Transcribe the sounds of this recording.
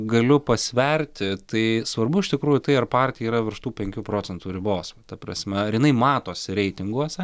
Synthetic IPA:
ɡɐlʲʊpɐsʲʋʲɛrʲt̪ʲɪt̪ɐɪsʋɐrbʊɪʃt̪ʲɪkɾuːjʊt̪ɐɪɐrpɑːrʲt̪ʲɪjɛiːɾɐʋʲɪɾʃt̪uːpʲɛŋʲkʲuːpɾoːt͡sʲɛnt̪uːɾʲɪboːst̪ɐpɾɐ̰sʲmʲɛɐɾjɪnɐɪmɑːt̪oːsʲɪɾʲɛɪt̪ʲɪŋɡuɔsʲɛ

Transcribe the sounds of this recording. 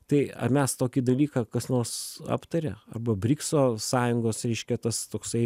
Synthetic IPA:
t̪ɐɪɐ̰mʲɛst̪oːkʲiːd̪ɐlʲiːkɑːkɐsnoːrsɑ̰ːpt̪ɐɾʲɛ̰ɐ̰rbɐbʲɾʲɪksoːsɑːjʊŋɡoːsɾʲɛɪʃʲkʲɛt̪ɐst̪oːksɐɪ

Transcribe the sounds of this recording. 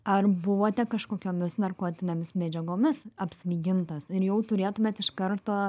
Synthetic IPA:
ɐrbʊʋoːt̪ʲɛkɐʃkoːkʲoːmʲɪsnɐrkoːt̪ʲɪnʲeːmʲɪsmʲæːd͡ʒʲɛɡoːmʲɪsɐpʲsʲʋʲiːɡʲɪnt̪ɐsɪɾjɛʊt̪ʊɾʲeːt̪ʊmʲeːt̪ɪʃkɐɾt̪oː

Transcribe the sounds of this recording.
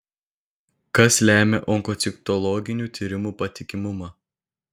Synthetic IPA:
kɐslʲæːmʲeʔɔŋkɔt̪sʲɪkt̪ɔlˠɔɡʲɪnʲuːt̪ʲiːɾʲɪmuːpɐt̪ʲɪkʲɪmʊmɑː

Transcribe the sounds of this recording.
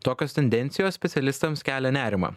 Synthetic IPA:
t̪oːkʲoːst̪ʲɛnʲd̪ʲɛnʲt̪sʲɪjoːssʲpʲɛt̪sʲɛlʲɪst̪ɐmskʲæːlʲɛnʲæːɾʲɪmɐ̰ː

